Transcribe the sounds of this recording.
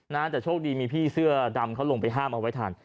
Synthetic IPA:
naː˦˥t͡ɕ̪aː˨˩t͡ɕʰoː˥˩k̚diː˧miː˧pʰiː˥˩sɯ˥˩ɐda˧mkʰa˦˥wlo˧ŋpa˧jɦaː˥˩mʔa˧wa˦˥jt̪ʰaː˨˩n

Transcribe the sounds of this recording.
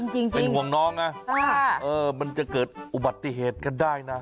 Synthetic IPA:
ŋt͡ɕi˧ŋpe˧nhu˨˩əŋnɔː˦˥ŋna˦˥a˧˩ʔɤː˧ma˧nt͡ɕa˨˩kɤː˨˩t̪̚ʔu˨˩ba˨˩t̪ːi˧˩ɦeː˨˩t̪̚ka˧ndaː˥˩jna˦˥

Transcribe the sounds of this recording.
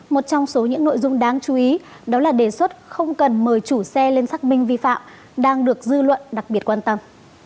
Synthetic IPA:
mo˨˩t̚t͡ɕɔ˧wŋ͡mso˨˦ɲɨ̰˧˥ŋno̰˧˨jzʊ˧ŋ͡mɗaː˨˧ŋt͡ɕu˨˦ʔi˨˦ | ɗɔ˨˦laː˨˩ɗe˨˩swə˦˥t̚xə˧wŋ͡mkə˨˩nməː˨˩jt͡ɕu˧˩sɛ˧le˧nsaː˦˥k̚mï˧ŋ̟vi˧fa̰ː˧˨m | ɗaː˧ŋɗɨ˨˩ək̚zɨ˧lwə̰˧˨nɗa˨˩k̚ɓi˨˩ət̚kwaː˧nt̪ə˧m

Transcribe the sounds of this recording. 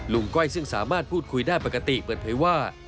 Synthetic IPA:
lu˨˧˦ŋkɔ˥˩jsɯ˥˩ŋsa̰ː˩˦maː˥˩t̪̚pʰuː˥˩t̪̚kʰu˧jdaː˥˩jpa˨˧˩ka˧t̪i˨˩pɤː˨˩ən̚pʰaː˨˦jwaː˥˩

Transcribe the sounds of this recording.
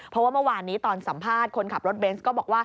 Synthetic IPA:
pʰɔ˦˥waː˥˩mɯ˥˩˨waː˧nːiː˦˥t̪ɔː˧nsa˩˦mpʰaː˥˩t̪̚kʰo˧nkʰa˨˩p̚ɾo˦˥t̪̚be˦˥nskɔː˥˩bɔː˨˩k̚waː˥˩

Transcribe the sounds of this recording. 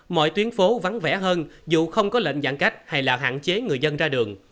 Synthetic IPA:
mɔ̰˧˨jt̪wi˨˦ənfo˨˦va˨˦nvɛ̰˧˩ɦəː˧nzṵ˧˨xə˧wŋ͡mkɔ˨˦lə̰˧˨ŋza̰ː˧˨ŋka˦˥jk̚ha˧jlaː˨˩ɦa̰ː˧˨nt͡ɕe˨˦ŋɨ˨˩əjzə˧nzaː˧ɗɨ˨˩əŋ

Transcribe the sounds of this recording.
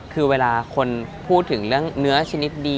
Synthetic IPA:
kʰɯː˧weː˧laː˧kʰo˧npʰuː˥˩t̪ʰːɯ˩˦ŋɾɯ˥˩əŋnɯ˦˥ɐt͡ɕʰa˧ni˦˥t̪̚diː˧

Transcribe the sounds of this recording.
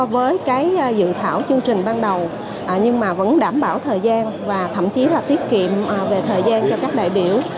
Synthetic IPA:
vəː˨˦jkaː˨˦jzɨ̰˧˨t̪ʰaː˧˩wt͡ɕɨ˧əŋt͡ɕï˨˩ŋ̟ɓaː˧nɗə˨˩w | ʔɲɨ˧ŋmaː˨˩və̰˧˥nɗaː˧˩mɓaː˧˩wt̪ʰəː˨˩jzaː˧nvaː˨˩t̪ʰə̰˧˨mt͡ɕi˨˦laː˨˩t̪i˦˥ət̚kḭ˧˨əm˨˩ve˨˩t̪ʰəː˨˩jzaː˧nt͡ɕɔ˧kaː˦˥k̚ɗa̰ː˧˨jɓi˧˩əw

